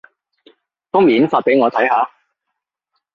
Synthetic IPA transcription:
t̪ʊː˥ŋmiː˨˩nfaː˧t̚pe˨˥jŋɔː˨˧t̪ʰɐ˨˥jɦaː˨˧

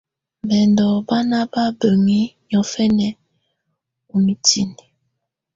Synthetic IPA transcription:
mbɛ˨ndɔ˨ba˦na˦ba˦bə˨ŋi˦ɲɔ˨fɛ˦nɛ˦ | u˨mi˨tʰi˦ni˨

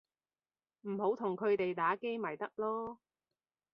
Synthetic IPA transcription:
m̩˨˩ho˨˥wt̪ʰʊ˨˩ŋkʰɵ˨˧ɥt̪e˨jt̪aː˨˥ke˥jma˨˩jt̪ɐ˥k̚lɔː˥

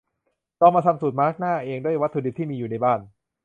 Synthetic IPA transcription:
k̪ɔː˧ŋmaː˧t̪ʰa˧msuː˨˩t̪̚maː˦˥k̚naː˥˩ʔeː˧ŋdu˥˩əjwa˦˥t̪ʰːu˧di˨˩t̪ʰiː˥˩miː˧juː˨˩na˧jbaː˥˩n

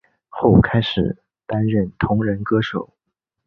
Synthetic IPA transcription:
xo˥˩ʊ˨˩kʰa˥ɪʂɻ̩˨˩ | t̪a˥nɻə˥˩nt̪ʰʊ˧˥ŋɻə˧˥nkɤ˥ʂo˨˩˦ʊ

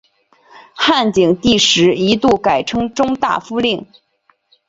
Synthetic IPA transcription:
xa˥˩nt͡ɕi˨˩ŋt̪i˥˩ʂɻ̩˧˥i˧˥t̪u˥˩ka˨˩ɪʈ͡ʂʰɤ˥ŋʈ͡ʂʊ˥ŋt̪a̰˥˩fu˥li˥˩ŋ

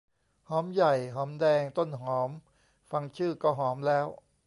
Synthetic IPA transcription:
hɔː˩˦mja˨˩jɦɔː˩˦mdɛː˧ŋt̪o˥˩nɦɔː˩˦m | fa˧ŋt͡ɕʰɯː˥˩kɔː˥˩ɦɔː˩˦mlɛː˦˥w

